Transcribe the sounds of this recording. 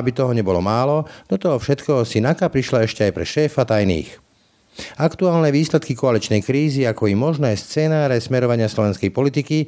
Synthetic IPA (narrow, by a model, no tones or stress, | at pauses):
abit̪ɔɦɔɲɛbɔlɔmaːlɔd̪̥ɔt̪ɔɦɔfʃɛt̪kɛɦɔsinakapɾiʃlaɛʃcɛajpɾɛ̰ʃɛːfat̪ajnḭːx | akt̪uaːlnɛʋiːslɛt̪kikɔalit͡ʃnɛjkɾiːziakɔjimɔʒnɛːst͡sɛːnaːɾɛsmɛɾɔʋaɲɪaslɔʋɛnskɛjpɔlit̪iki